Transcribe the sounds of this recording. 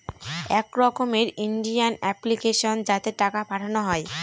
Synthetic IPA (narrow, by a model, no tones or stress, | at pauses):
ɛkɾɔkomeɾiɳɖijanɛplikeʃond͡ʑat̪eʈakapaʈʰanoɦɔe